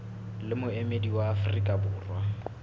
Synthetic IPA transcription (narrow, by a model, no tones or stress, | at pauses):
lɪmʊemediwaːfʊrikʼabʊːrwa